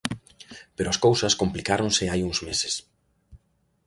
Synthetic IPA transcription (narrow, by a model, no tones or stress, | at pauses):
peɾʊɐskowsɐskomplikaɾõŋsɪajuŋzmese̥s